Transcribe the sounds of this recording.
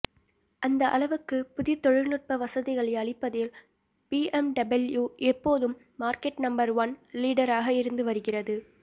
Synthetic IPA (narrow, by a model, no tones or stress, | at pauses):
ʔɐnd̪ɐʔɐ̰lɐʋɯkːɯpʊðɪjɐt̪ːɔɻɪɻnɯr̚pɐʋɐsɐðɪɣɐɭɐɪɐɭɪpːɐðɪl | piːʔɛmɖɐbɐljuːʔɛpːoːðɯmːaːɾkɛʈnɐmbɐɾʋɐnliːɽɐɾaːɣɐɪɾɯnd̪ɯʋɐɾɯɣɪrɐðɯ